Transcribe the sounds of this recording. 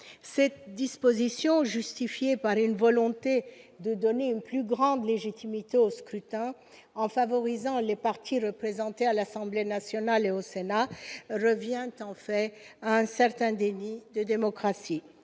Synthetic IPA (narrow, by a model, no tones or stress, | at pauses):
sɛt̪d̪ispozisjɔ̃ʒyst̪ifjepaʁynvɔlɔ̃t̪ed̪əd̪ɔneynplyɡʁɑ̃d̪leʒit̪imit̪eoskχyt̪ɛ̃ | ɑ̃favɔʁizɑ̃lepaʁt̪ʰiʁəpχezɑ̃t̪ealasɑ̃blenasjɔnaleosenaʁəvjɛ̃t̪ɑ̃fɛaɛ̃sɛʁt̪ɛ̃d̪enid̪əd̪emɔkχasi